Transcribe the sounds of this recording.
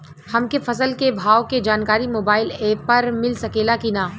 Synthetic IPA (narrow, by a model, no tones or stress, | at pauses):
hɐmkefɐsəlkebʱaːwked͡ʒaːnkaːɾimoːbaːɪleːpɐɾmɪlsɐkeːlakinaː